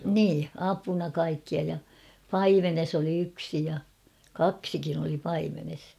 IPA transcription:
niː ɑpunɑ kɑikːiɑ jɑ pɑimenes oli yksi jɑ kɑksikin oli pɑimenes

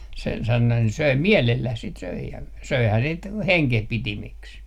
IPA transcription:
se sɑno søi miælelːæh sit søi jɑ søihæː sit heŋkehpitimiks

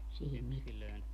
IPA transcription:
sihim miteæ

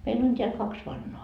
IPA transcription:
meil on tʲeæl kɑks ʋɑnːoɑ

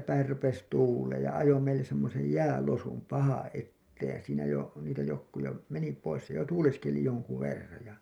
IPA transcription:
pæir rupes tuːleːj jɑ ɑjo meilːes semːosej jæːlosum pɑhɑ̃ː ʔetːeːj jɑ siːnæ jo niːtæ jokːu jo meni pois se jo tuːleskeli joŋku ʋerːɑj jɑ

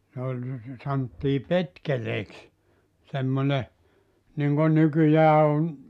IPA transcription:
ne olʲ sɑntːiː petkeleːks semːone niŋɡ̊on nykyjæː on

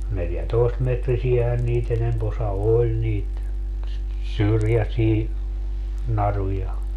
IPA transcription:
neljætoestmetrisiæhæn niːt enemp osɑ olʲ niːt syrjæsiː nɑrujɑ

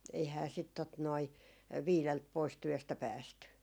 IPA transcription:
eihæː sit tot noi ʋiːlelt pois tyøstæ pæːsty

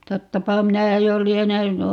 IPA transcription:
totːɑpɑ minæ jolienen

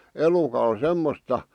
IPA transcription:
elukɑl semːostɑ

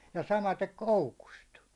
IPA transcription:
jɑ sɑmɑtek koukust

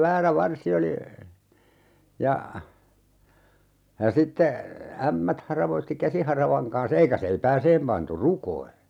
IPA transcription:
ʋæːræ ʋɑrsi oli jɑ jɑ sitːe æmːæt hɑrɑʋoitːi kæsihɑrɑʋɑŋ kɑns eikæ seipæːseːm pɑntu rukoi

